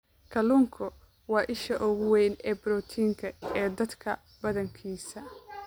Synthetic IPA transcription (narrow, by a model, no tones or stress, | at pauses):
kʰɐlʊŋkʰɔ | wɑːʔɪʃɐʔɔɣʊwɛjnɛːbɾɔt̪ʰiːŋkʰɐɛːd̪ɐd̪kʰɐ | bɐðɐŋkʰiːsɐ